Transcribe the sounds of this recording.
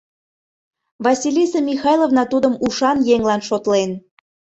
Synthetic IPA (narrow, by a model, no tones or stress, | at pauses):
βɑsʲilʲisemʲixɑjlˠovnɑt̪ud̪əmuʃɑnjeŋlɑnʃot̪len